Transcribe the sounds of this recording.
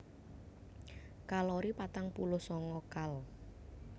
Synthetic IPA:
kalɔɾipat̪aŋpulʊhsɔŋɔkal

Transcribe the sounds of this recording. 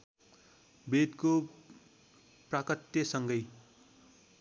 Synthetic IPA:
bed̪ko | prakʌt̪ːjʌsʌŋɡʌj

